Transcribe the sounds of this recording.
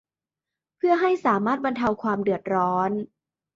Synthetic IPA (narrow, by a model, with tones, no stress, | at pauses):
pʰɯ˥˩ɐɦa˥˩jsaː˩˦maː˥˩t̪̚ba˧nt̪ʰa˧wkʰwaː˧mdɯ˨˩ət̪̚ɾɔː˦˥n